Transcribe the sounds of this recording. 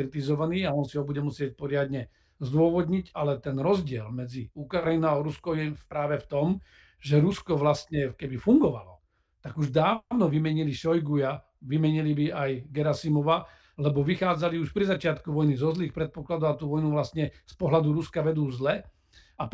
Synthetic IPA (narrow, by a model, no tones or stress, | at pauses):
ɾit̪izɔʋaniːaɔnsiɦɔbuɟɛmusɪɛc̚pɔɾɪad̪ɲɛ | zd̪ʊɔʋɔd̪ɲiɟalɛt̪ɛnɾɔzɟɪɛlmɛd͡ziukɾajinaaɔɾuskɔʊjɛpɾaːʋɛft̪ɔm | ʒɛɾuskɔʋlast̪ɲɛkɛbifuŋɡɔʋa̰lɔ | t̪aɡuʒd̪aːʊnɔʋimɛɲiliʃɔjɡuja | ʋimɛɲilibiajɡɛɾasimɔʋa | lɛbɔʋixaːd͡zaliuʃpɾizat͡ʃɪat̪kuʋɔjnizɔzliːxpɾɛt̪̚pɔklad̪ɔʊat̪uːʋɔjnuʋlast̪ɲɛspɔɦlad̪uɾuskaʋɛd̪uːzlɛ | ap